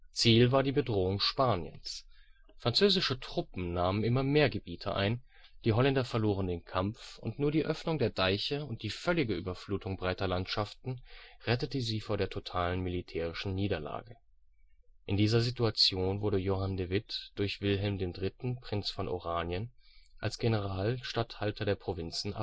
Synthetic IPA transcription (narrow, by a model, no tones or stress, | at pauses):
t͡siːlvaːɐdiːbədʁoːʊŋʃpaːnjə̰ns | fʁ̥ant͡søːzɪʃətʁ̥ʊpm̩naːmənʔɪmɐmeːɐɡəbiːtʰəʔa̰ɪn | d̥iːɦɔlɛndɐfɛɐloːʁəndeːnkʰamfʊntnuːɐɾiːʔœfnʊŋdeːɐdaɪçəʊnt̚d̥iːfœlɪɡəʔyːbɐfluːtʰʊŋbʁaɪtɐlantʃaftn̩ʁɛtətəziːfoːɐdeːɐtʰotʰaːlənmilitʰɛːʁ̞ɪʃn̩niːdɐla̰ːɡə | ʔɪndiːzɐzituat͡sjoːnvʊɐɾəjoɦandevɪtd̥ʊɐçv̥ɪlɦɛlmdeːndʁɪtn̩pʁ̥ɪnt͡sfɔnʔo̰ʁaːnjənʔa̰lsɡ̥enəʁ̞aːlʃtathaltʰɐdeːɐpʁ̥ovɪnt͡sn̩ʔa̰